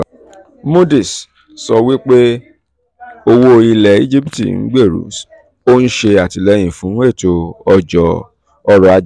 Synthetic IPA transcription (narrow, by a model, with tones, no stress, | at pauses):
mo˦di˨s | sɔ˧wi˦k͡pe˦ | o˧wo˦˧ɾi˧lɛ˨i˦d͡ʒi˦pi˨tḭ˨n̩̰˦ɡ͡be˦˨ɾṵ˨˦s | o˦n̩˦ʃe˧a˨ti˨lɛ˨˧˦j̃ĩ˨fũ˨˦e˦˨to˧ɔ˧d͡ʒɔ˨ | ɔ˧ɾɔ˧a˧d͡ʒ